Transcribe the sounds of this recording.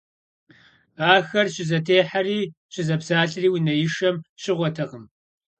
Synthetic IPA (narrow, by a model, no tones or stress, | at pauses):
aːxɐrɕɪzɐtʰeːħariːɕɪzɐbzaːɬriːwʊnɐjɪʃɐmɕɪʁʷɔtʰɐʁəm